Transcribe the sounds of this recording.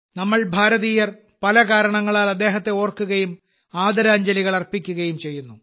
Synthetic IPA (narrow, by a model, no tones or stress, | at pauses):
nɐmːɐɭbʱaːɾɐðiːjɐr | pɐlɐkaːɾɐɳɐŋːɐɭaːlɐd̪ːe̞ːɦɐt̪ːe̞oːrkːuɣɐjum | aːd̪ɐɾaːɲd͡ʑɐliɣɐɭɐrpːikʲːuɣɐjumt͡ɕe̞jːunːu